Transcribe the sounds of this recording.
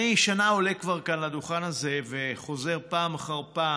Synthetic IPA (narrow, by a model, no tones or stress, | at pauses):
ejʃanao̞lekvaʁkanlad̪uχanaze̞ve̞χo̞ze̞ʁpaːmaχaʁpa